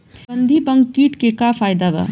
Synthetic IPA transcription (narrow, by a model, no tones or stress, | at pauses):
bənd̪ʱibəŋɡkːiʈkekapʰajd̪aba̰